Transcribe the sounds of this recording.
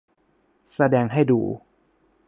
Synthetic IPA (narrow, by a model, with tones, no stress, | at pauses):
sa˧dɛː˧ŋɦa˥˩jdṵː˧